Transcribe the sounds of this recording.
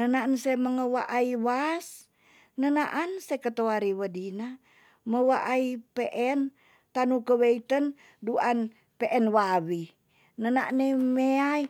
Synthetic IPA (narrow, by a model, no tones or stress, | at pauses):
nənaʔnseməŋəwaʔaiwas | nənaʔansekət̪oaɾiwədina | məwaʔaipeʔɛn | t̪anukəweit̪ən | duan | peʔɛnwawi | nənaʔnemeai